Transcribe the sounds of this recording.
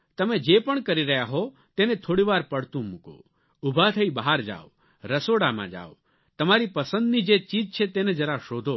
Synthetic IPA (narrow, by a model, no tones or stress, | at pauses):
t̪əmed͡ʒepəɳkəɾiɾəɦjaɦo | t̪enet̪ʰoɽiʋaɾpəɽt̪ũmũko̰ | ubʱat̪ʰəibəɦaɾd͡ʒa̰o | ɾəsoɽamã̰d͡ʒa̰o | t̪əmaɾipəsə̃nd̪nid͡ʒet͡ʃid͡ʒt͡ʃʰet̪ened͡ʒəɾaʃod̪ʱo